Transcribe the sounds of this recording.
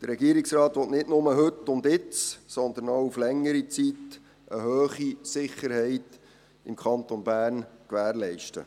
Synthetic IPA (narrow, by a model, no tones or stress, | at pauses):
d̪̥ərɾɛɡiːəɾɪksrɑːt̪ʋɔt̪nɪtnʊməɦɵtːʊndɪt͡ssɔnd̪ənowuflɛŋːəɾit͡sit̪ | ʔəɦøːχisɪχːəɾhɛɪt | ɪmkʰχɑnt̪onbæːɾnkʋæːɾlɛɪʃtə̰